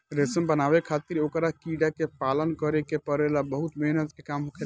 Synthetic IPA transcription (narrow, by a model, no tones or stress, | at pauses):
ɾesəmbənabekʰat̪iɾokɾakiɖakepalənkəɾekepəɾelabəɦut̪meɦnət̪kekamɦokʰe